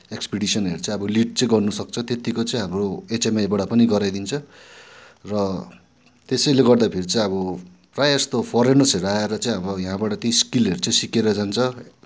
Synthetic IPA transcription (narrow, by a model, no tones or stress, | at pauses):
ekspiɽisʌneɾut͡saĩʌbʌliʈ̚t͡sʌĩɡʌrnusʌk̚t͡sʰʌt̪et̪ikot͡sʌĩɦamroet͡semajbaɽapʌniɡʌɾajd̪int͡sʰʌ | rʌ | t̪esʌjleɡʌrd̪apʰeɾit͡sãĩʌβʌ | prajʌst̪opʰʌɾenʌseɾuaeɾʌt͡sãĩʌbʌjaɦãbaʈʌt̪iskileɾut͡sʌĩsikeɾʌd͡zant͡sʰʌ